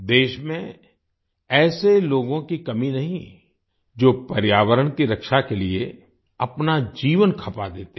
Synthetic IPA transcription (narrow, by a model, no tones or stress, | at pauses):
d̪eːʃmẽ | ɛːseloːɡõkikɐminɐɦĩ | d͡ʒoːpɐɾjaːʋəɾənkiɾɐkʃakelie | ɐpnad͡ʒiːʋənkʰɐpad̪eːt̪e